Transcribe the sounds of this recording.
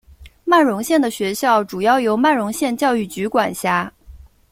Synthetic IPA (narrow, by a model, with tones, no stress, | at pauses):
ma˥˩nɻʊ˧˥ŋɕjɛ˥˩nd̪ə˩ɕɥɛ˧˥ɕjɑ˥˩ʊʈ͡ʂu˨˩jɑ˥˩ʊjo˧˥ʊma˥˩nɻʊ˧˥ŋɕjɛ˥˧nt͡ɕjɑ˥˧ʊy˥˩t͡ɕy˧˥kwa˨˩nɕja˥˩